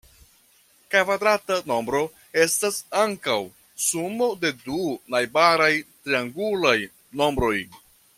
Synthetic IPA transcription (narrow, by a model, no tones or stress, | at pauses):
kavad̪ɾatano̞mbɾo̞ | e̞stasaŋkaw | sumo̞de̞dunajbaɾajtɾiaŋɡulaj | no̞mbɾo̞j